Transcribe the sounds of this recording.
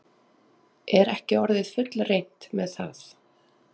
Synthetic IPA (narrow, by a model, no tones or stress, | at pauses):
ɛɾɛhcɪɔɾðɪðfʏt̪lrejn̥t̪mɛðθa̰θ